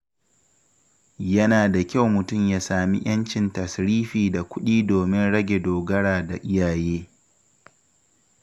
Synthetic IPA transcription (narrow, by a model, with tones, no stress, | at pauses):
jɐ˦naː˨da˨kʲa˦˨wmʊ˨tʊ˦˨mjaː˦saː˨mḭ˦j̰ɐ˦nt͡ʃɪ˨ntɐ˨sɾiː˦ɸiː˨da˨kʷʊ˦ɗiː˦doː˨mɪ˦nɽɐ˦ɡʲe˨doː˨ɡɐ˦ɽaː˨da˨ʔɪ˦jaː˨jeː˦